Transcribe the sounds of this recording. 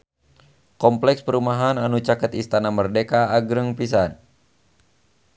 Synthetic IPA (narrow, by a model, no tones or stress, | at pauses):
kɔmplɛkspəɾumaɦananut͡ʃakət̪ist̪anamərdekaːɡɾəŋpis̬an